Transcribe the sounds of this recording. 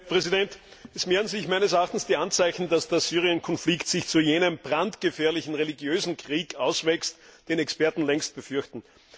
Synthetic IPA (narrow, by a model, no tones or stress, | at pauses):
pʁ̥ɛzidɛnt | ɛsmeːənzɪçmaæɪnəsɛɐaχtn̩sd̥iːʔant͡saɪçn̩dasd̥eːɐsyːʁ̞iənkʰɔnflɪktsɪçt͡sujeːnəmbʁantɡ̥əfɛːɐlɪçn̩ʁeliɡjøːzn̩kʁ̥iːkaʊsvɛkstd̥eːnɛkspɛɐtn̩lɛŋst̚b̥əfʏɐçtn̩